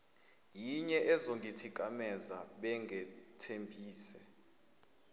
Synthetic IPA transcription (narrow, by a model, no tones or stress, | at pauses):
jiɲɛʔɛzoŋɡʱitʰikʼamɛzaɓɛŋɡʱɛtʰempʼiːsɛ